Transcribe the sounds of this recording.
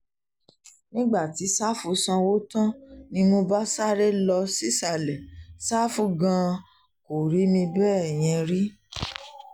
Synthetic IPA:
nĩ˦ɡ͡ba˦˨ti˨˦sa˦fu˧sã˧wo˦tã˦nĩ˧mo˧ba˦sa˦ɾe˦lɔ˧si˦sa˨lɛ˨sa˦fu˦ɡã˧ | ko˨ɾi˨˦mĩ˧bɛː˦ɛ˨j̃ɛ̃˧ɾi˦

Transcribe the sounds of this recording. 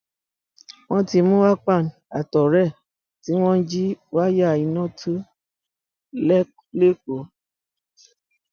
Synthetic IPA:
w̃ɔ̃˦ti˧mũ˦wa˦k͡pa˦˨n˨a˨tɔ˨ɾɛ˦˨ | ti˨˦w̃ɔ̃˦n̩˦d͡ʒi˦wa˦ja˦˨i˧nɔ̃˦˨tʰu˦ | lɛ˦ | le˦ko˨

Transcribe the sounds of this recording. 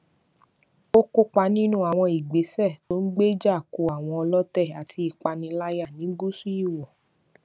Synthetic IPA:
o˦ko˦k͡pa˧nĩ˦nũ˦a˨w̃ɔ̃˧i˨ɡ͡be˨˦sɛ˦˨to˦n̩˦ɡ͡be˦d͡ʒa˦˨ku˧a˨w̃ɔ̃˧ɔ˧lɔ˦tɛ˦˨a˨tʰi˧i˨k͡pa˧nĩ˧la˦ja˦˨nĩ˨˦ɡu˦su˦i˦˨wɔ˨

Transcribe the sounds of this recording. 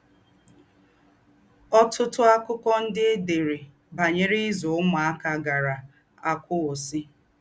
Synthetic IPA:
ɔ˦tʊ˦tʊ˦a˦kʊ˦kɔ˦n̩˦dɪ˦de˨ɾe˨ | ba˨ɲe˦ɾɪ˦zʊ˨ʊ˦ma˨a˦ka˨ɡa˨ɾa˨ | a˨kʷʊ˦o˨si˦

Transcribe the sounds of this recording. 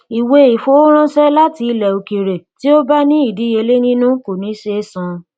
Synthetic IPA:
i˨we˧i˨fo˨˦ɾ̃ã˦ʃɛ˦la˦ti˧lɛ˨o˨ki˨ɾe˨ti˦o˦ba˦nĩ˦i˦˨di˨˦e˧le˦nĩ˦nũ˦ko˨nĩ˨˦ʃe˧˦sã˧

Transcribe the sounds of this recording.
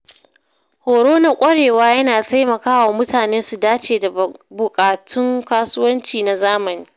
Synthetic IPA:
hoː˨ɽoː˦na˦kʷʼɐ˦ɽeː˨waː˦jɐ˦naː˨ta˦jmɐ˨kaː˦wa˨mʊ˦taː˨neː˦su˨daː˦t͡ʃeː˨da˨bʊ˨kʼaː˨tʰʊ˦ŋkaː˦sʊ˦wɐ˦nt͡ʃiː˨na˨zaː˦mɐ˨niː˦

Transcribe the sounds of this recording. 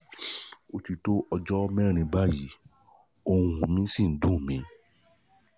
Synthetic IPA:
o˧ti˧to˦ʔɔ˧d͡ʒɔ˦mɛ̃˦˨ɾ̃ĩ˧ba˦ji˨˦ | o˧hũ˨mĩ˦si˦˨n̩˨˦dũ˦˨mĩ˨˦

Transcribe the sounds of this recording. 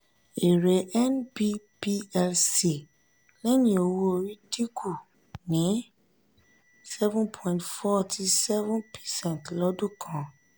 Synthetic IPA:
e˨ɾe˨˦ʔɛ˦nbi˦ | pi˦ɛ˧lse˨ | lɛ˦nĩ˦o˧wo˦o˧ɾi˦di˦ku˦˨ | nĩ˨˦ | sɛ˦vũ˦npʰɔ̃˨ĩ˨ntfɔ˦tʰi˧sɛ˦vũ˦npʰɛ̥˨sɛ̃˦˨ntlɔ˦dũ˦˨kʰã˧˦

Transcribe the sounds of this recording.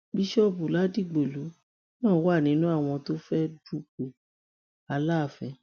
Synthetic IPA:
bi˧˦ʃɔ˦bu˨la˨˦di˦˨ɡ͡be˨lu˨˦ | nãː˦˨˦wa˦˨nĩ˨˦nũ˦a˦˨w̃ɔ̃˧to˦fɛ˦du˦k͡pu˨ | a˧la˦˨fɛ˨˧

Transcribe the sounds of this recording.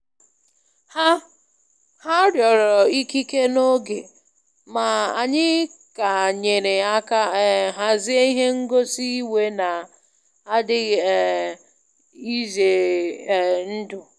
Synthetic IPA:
ha˦ | ha˦ɾjɔ˨ɾɔ˨i˦ki˦ke˦no˦ɡe˨ | ma˨a˨ɲɪ˦ka˨ɲe˨ɾe˨a˦ka˦ɦa˦zɪ˦a˦i˦ɦe˦ŋ̩˦ɡo˦si˦we˦na˨ | a˦dɪ˦˨ | i˦ze˨ | n̩˦dʊ˨

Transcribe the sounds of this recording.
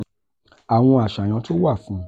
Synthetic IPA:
a˨w̃ɔ̃˧a˨ʃa˨j̃ã˨˧˦to˦wa˦˨fũ˨˦

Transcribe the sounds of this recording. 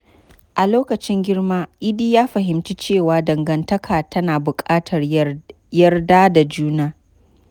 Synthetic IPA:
ʔa˨loː˦kɐ˨t͡ʃɪ˦ŋɡʲɪ˦rmaː˦ʔɪ˦diː˦jaː˦ɸɐ˨ɦɪ˨mti˦t͡ʃeː˦˨waː˨˦dɐ˨ŋɡɐ˨ntɐ˦kʰaː˨tʰɐ˦naː˨bʊ˨kʼaː˦tʰɐ˨r | jɐ˦rdaː˦da˨d͡ʒuː˦naː˦

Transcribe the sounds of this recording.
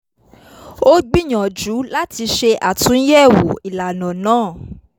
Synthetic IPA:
o˦ɡ͡bi˦˨ɲã˨d͡ʒu˨˦la˦ti˧ʃe˧ʔa˨tũ˨˦jɛ˦˨wu˨i˨la˨nã˨nãː˦˨

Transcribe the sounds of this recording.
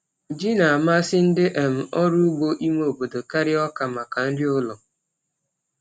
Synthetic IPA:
d͡ʒi˦na˨a˨ma˦sɪ˦n̩˦dɪ˦ʔe˨m̩˨ɔ˦ɾu˦u˦ɡ͡bo˦ʔi˦mʷe˦o˨bo˨do˨ka˦ɾɪ˦ɔ˦ka˨ma˨ka˨n̩˦dɪ˦ʊ˦lɔ˨

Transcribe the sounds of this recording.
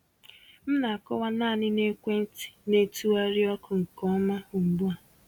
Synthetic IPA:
m̩˦na˨a˨kɔ˦wa˦na˦˨nɪ˦ne˦kʷe˦n̩˦ti̥˨ne˦tu˦a˦ɾɪ˦ɔ˦kʊ˨ŋ̩˨kɔ˦ma˦u˨ŋ͡m̩˨ɡ͡bu˦a˨

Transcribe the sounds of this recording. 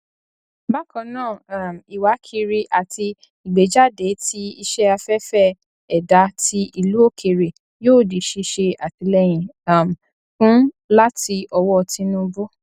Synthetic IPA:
ba˦kã˨˧nãː˦˨˦m˨i˨wa˨˦kʰi˧ɾi˧ʔa˨ti˧ | i˨ɡ͡be˨d͡ʒa˦de˨˦ti˧i˧ʃɛ˦a˧fɛ˦fɛ˦˨ | ɛ˨da˨˦ti˧ʔi˧lu˨˦o˦˨kʰe˨ɾe˨ | joː˦˨de˨ʃe˧ʃe˧a˨ti˨˧˦lɛ˦j̃ĩ˨a˦˨m˨ | fũ˦ | la˦ti˧ʔɔ˧wɔ˦˧ti˧nũ˦bo˦

